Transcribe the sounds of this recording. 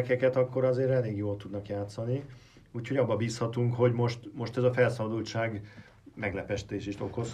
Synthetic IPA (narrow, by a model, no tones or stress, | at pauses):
kɛkɛt̪ɒkːo̞ɾɒzeːɾɛleːɡjoːlt̪ud̪nɒkjaːt̪sɒni | uːcʰho̞ɟɒbːɒbiːshɒt̪uŋkho̞ɟmo̞ʃt̪mo̞ʃt̪ɛzɒfɛlsɒbɒd̪ult͡ʃaːɡ | mɛɡlɛpɛʃt̪eːʃeːʃt̪o̞ko̞s